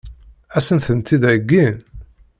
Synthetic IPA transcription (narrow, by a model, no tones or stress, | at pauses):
æsənθənt̪ːid̪æɡːin